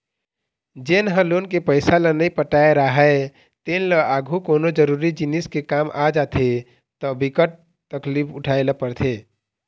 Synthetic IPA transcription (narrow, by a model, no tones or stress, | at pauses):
d͡ʒeːnɦə̃lonkepəɪsalənəipəʈaeɾaɦəe | t̪eːnləaːɡʱukoːnod͡ʒəɾuɾid͡ʒiniskekaːmʔad͡ʒat̪ʰe | t̪ɔbikəʈ̚ | t̪əklipʰʊʈʰaelapəɾt̪ʰe